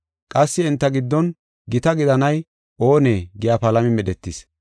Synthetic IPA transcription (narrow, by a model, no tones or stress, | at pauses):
kʼɐsːɪɛnt̪ːɐɡɪd̪ːɔn | ɡɪt̪ɐɡɪd̪ɐnɐj | ʔo̞ːneːɡɪjapɐlɐmɪmɛɗɛt̪ːɪs